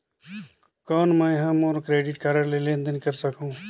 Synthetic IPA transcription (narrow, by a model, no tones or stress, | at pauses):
kɔːnmə̃jɦə̃moːɾkɾeːɖiʈkaɾəɾlelend̪ənkəɾsəkũ